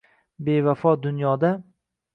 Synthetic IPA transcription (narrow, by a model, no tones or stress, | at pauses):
be̞vafɒd̪ʊnjɒd̪a